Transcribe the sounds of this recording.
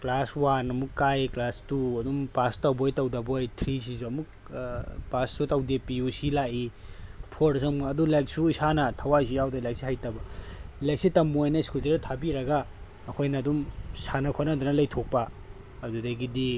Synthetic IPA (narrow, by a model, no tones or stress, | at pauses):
klaswanɐmukːajklastuɐdumpastɐwbojtɐwdɐbojtʰɾis̬izuɐmuk̚ | pasːutɐwdepiusilaʔipʰoɾɾɐs̬umuɐdulajk̚suisanɐtʰɐwajs̬ijawdɐlajk̚siɦajtɐbɐlajk̚sitɐmːojnɐiskulteɾdɐtʰabiɾɐɡaː | kʰojnɐdumsanɐkʰonɐdunɐlɐjtʰok̚pɐː | dudɐɡidi